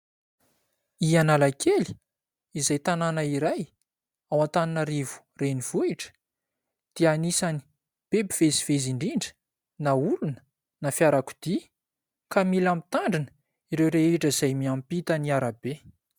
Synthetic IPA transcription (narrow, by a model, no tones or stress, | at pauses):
ianalakʰeli̥ | izajt̪ananaiɾaj | awat̪aninəɾivu̥ | renivuiʈ͡ʂə̥ | d̪̥ianisani̥ | b̥ebiveziveziɳɖ͡ʐiɳɖ͡ʐə̥ | naulunə̥ | nafjaɾaku̥d̪̥i | kamilamit̪aɳɖ͡ʐinə̥ | iɾewɾeeʈ͡ʂəizajmiampit̪əniaɾabe